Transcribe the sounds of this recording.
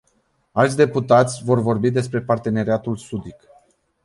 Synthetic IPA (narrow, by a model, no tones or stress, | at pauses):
alt̪sʲd̪e̞put̪at̪sʲvo̞rvo̞rbid̪e̞spɾe̞part̪e̞ne̞ɾiat̪ulsud̪ik